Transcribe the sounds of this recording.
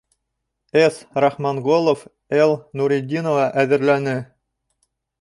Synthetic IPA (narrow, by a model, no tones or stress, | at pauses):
esrɑχmɑnɡolˠŏf | elˠnuɾʲidʲinovɑʔæðɘ̆ɾlænɘ